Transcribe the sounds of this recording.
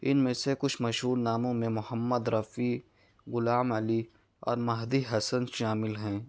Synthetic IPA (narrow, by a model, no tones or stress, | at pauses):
ɪnmẽsekʊt͡ʃʰmɐʃɦuːɾnaːmõmẽmʊhəmːəd̪ɾɐfiː | ɣʊlaːməli | ɔ̰ːɾmɐɦd̪iɦɐsənʃaːmɪlɦɛ̃ː